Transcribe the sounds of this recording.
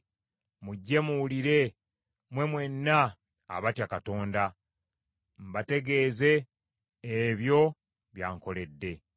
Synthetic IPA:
muɟːe̞muwuliɾe̞ | mwe̞mwe̞nːa̰ː | βatjakato̞ːnda | m̩bate̞ɡe̞ːze̞ː | βjo̞ | βjaːŋko̞le̞dːe̞

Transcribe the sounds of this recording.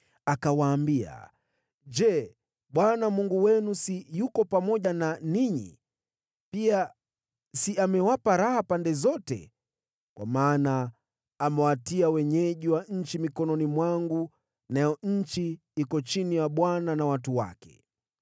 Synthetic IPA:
akawaːmbia̰ | d͡ʒɛ | ɓwanamuŋɡuwɛnusijukɔpamɔʄananiɲḭ | pia | siamɛwapaɾahapandɛzɔtɛ̰ | kwʔa̰maːnaː | mɛwatiawɛɲɛʄiwaɲ̩t͡ʃimikɔnɔnimwaŋɡu | najɔɲ̩t͡ʃi | ikɔt͡ʃinijaɓwananawatuwa̰kɛ̥̰

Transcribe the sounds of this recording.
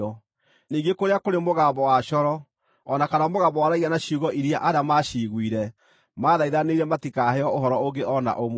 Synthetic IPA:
ɔ | niːɡekoɾeakoɾemoɣaːbɔwaɕɔɾɔ | ɔnakanamoɣaːmbɔwaɾaianaɕuɣɔʔiɾjaʔaɾamaɕiɣwiɾɛ | maːðaiðaneiɾɛmatikaɦɛɔoɦɔɾɔoɡeʔɔna̰ʔom

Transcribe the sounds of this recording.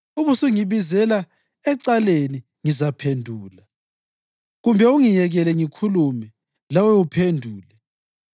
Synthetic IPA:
uβusuŋiβizɛla | ɛǀaleni | ŋizapʰendʱuːla | ɣumbʱɛuŋijɛɣɛlɛŋikʰulumɛ | lawɛupʰendʱuːlɛ

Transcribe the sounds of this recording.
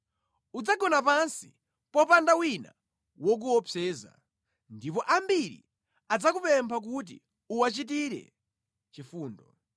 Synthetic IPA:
ud͡zaɡɔnap̬ansi | pɔpandawina̰ | wɔk̬uwɔpʰɛːza̰ | ndipɔʔambiɾḭ | ad͡zakupɛmpʰak̬ut̬ḭ | uwat͡ʃit̬iɾɛ̰ | t͡ʃifuːndɔ̰

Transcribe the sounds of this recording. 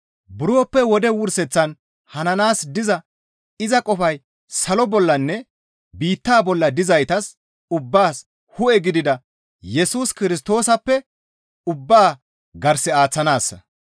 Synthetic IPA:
bʊɾoːpːɛwɔd̪ɛwʊɾsɛt͡sːɐn | hɐnɐnaːsd̪ɪzɐ | ɪzɐkʼɔfɐj | sɐlɔbɔlːɐnːɛ | biːt̪ːaːbɔlːɐd̪ɪzɐjt̪ɐs | ʊbːaːs | hʊʔɛɡɪd̪ɪd̪ɐ | jɛsuːskɪɾɪs̬t̪o̞ːsɐpːɛ | ʊbːaː | ɡɐɾsɪaːt͡sːɐnaːsːɐ̰

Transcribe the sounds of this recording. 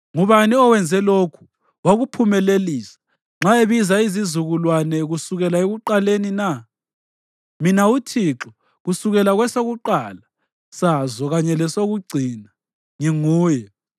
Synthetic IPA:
ŋuβaniɔwɛnd͡zʱɛlokʰu̥ | waɣupʰumɛleliːsḁ | ŋ͡ǁaeβizaizizuɣulwanɛɣusuɣɛlaeɣuǃalenina | minautʰiǁɔ | ɣusuɣɛlaɣwɛsoɣuǃaːla | sazɔɣaɲɛlɛsoɣuɡ͡ǀʱina | ŋiŋuːjɛ

